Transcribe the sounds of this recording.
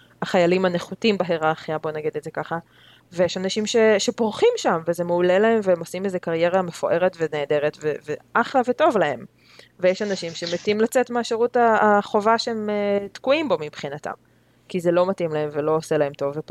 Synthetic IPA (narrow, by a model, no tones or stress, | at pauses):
aχajalimaneχutimbaɦeʁaːχabo̞naɡid̪etzekaχa | vejeʃanaʃimʃe̞ʃe̞poʁχimʃamvezemeulelaɦe̞mveemo̞simezekaʁje̞ʁame̞fo̰ʔe̞ʁetveneːde̞ʁetveveʔaχlaveto̞vlae̞m | vejeʃanaʃimʃemetimlat͡setmeaʃeʁutaːχo̞vaʃeemetkuimbo̞mipχinata̰m | kizelo̞matimlae̞mvelo̞ːse̞lae̞mto̞vːep